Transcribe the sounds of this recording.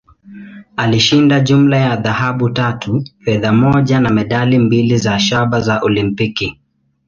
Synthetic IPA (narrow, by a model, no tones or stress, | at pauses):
aliʃindaʄumlajaðahaɓutatʰufɛðamɔʄanamɛɗalimbilizaʃaɓazaʔɔlimpiki